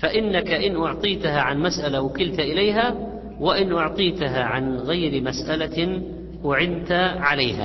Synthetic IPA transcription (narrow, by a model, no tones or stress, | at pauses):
faʔɪnːakaʔɪnʔʊʕt̪ˤiːt̪ahaʕanmasʔalawakɪlt̪aʔɪlajɦa | wɪʔɪnʔʊʕt̪ˤiːt̪aɦaʕanɣajɾɪmasʔala | ʔʊʕɪnt̪aʕalaːha̰